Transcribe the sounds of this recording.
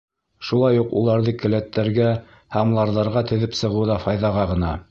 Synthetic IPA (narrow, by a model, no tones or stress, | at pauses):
ʃulˠɑjuqṵlˠɑɾðɤkɘ̆læt̪ːæɾɡæ | hɑmlˠɑɾðɑɾʁɑt̪ɵ̆ðɘpsɤ̆ʁɤ̆wðɑfɑjðɑʁɑʁɤ̆nɑ